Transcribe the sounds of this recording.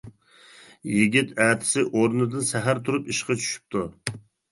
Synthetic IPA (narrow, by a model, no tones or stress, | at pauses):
jiɡʲit̪ʰæːt̪ʰɪ̥sɪʔoɾnɨd̪ɨnsæɦæɾt̪ʰuɾupiʃqʰɑt͡ʃʰy̥ʃy̥p̚t̪ʰu